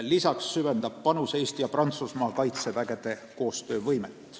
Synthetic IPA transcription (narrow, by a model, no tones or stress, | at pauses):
lisɑksːyve̞nd̪ɑb̥̚ːɑnuseːst̪jɑprɑnt̪susmɑːkɑjt̪se̞væɡe̞d̪̥e̞ko̞ːst̪ø̞ːvɤjmet̪ːˑ